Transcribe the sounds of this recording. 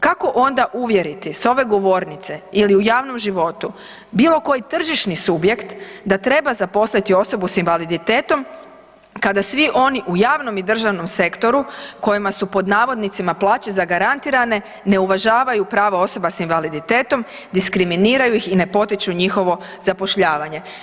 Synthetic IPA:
kako̞ʔo̞nd̪aʔuʋje̞ɾit̪iso̞ʋe̞ɡo̞ʋo̞ɾnit̪se̞iliujaːʋno̞mʒiʋo̞t̪u | biːlo̞ko̞jit̪r̩ʒiʃnisubje̞kt̪d̪at̪ɾe̞bazapo̞slait̪io̞so̞businʋalid̪it̪e̞ːt̪o̞m | kad̪asʋiʔo̞niʔujaːʋno̞mid̪r̩ʒaʋno̞mse̞kt̪o̞ɾuko̞jimasupo̞d̪naːʋo̞d̪nit̪simaplˠaːt͡ɕezaɡaɾant̪iɾane̞ | ne̞uʋaʒaːʋajupɾaːʋao̞so̞basinʋalid̪it̪e̞ːt̪o̞m | d̪iskɾiminiːɾajuixine̞po̞t̪it͡ʃuɲixo̞ʋo̞ | zapo̞ʃʎaːʋaɲe̞

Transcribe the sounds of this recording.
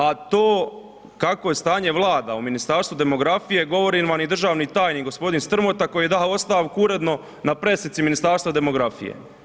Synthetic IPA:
at̪oː | kako̞jest̪aːɲe̞ʋlˠaːd̪auminist̪aːɾst̪vud̪e̞mo̞ɡɾafije̞ɡo̞ʋo̞ɾinʋamid̪r̩ʒaːʋnit̪aːjniːkɡo̞spo̞d̪inst̪r̩mot̪ako̞jiːed̪aːo̞st̪aʋkuuɾe̞d̪no̞ | napɾe̞snit̪siminist̪aːɾst̪ʋad̪e̞mo̞ɡɾafḭjḛ

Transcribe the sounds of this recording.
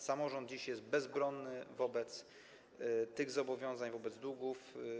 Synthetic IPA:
samɔʐɔnd̪̚d͡ʑiɕjɛst̪̚bɛzbɾɔnːɘvɔbɛt̪s | t̪ɘɣzɔbɔvʲjɔ̃w̃zaɲvɔbɛd̪zd̪uɡuf

